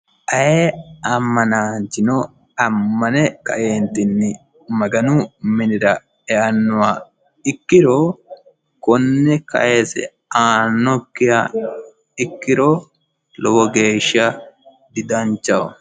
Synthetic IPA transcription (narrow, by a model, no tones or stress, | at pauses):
ʔɐjeɐmːɐnaːnt͡ʃːɪnɔ | ɐmːɐnɛkɐ̰ʔeːnt̪ːɪnːɪ | mɐɡɐnʊmɪnɪɾɐ | ɛʔɐnːʊwa | ɪkːɪɾoː | kɔnːɛkɐ̰ʔesɛ̰ | aːnːɔkːɪja | ɪkːɪɾoː | lɔwɔɡe̞ːʃːɐ | d̪ɪd̪ɐnt͡ʃːɐw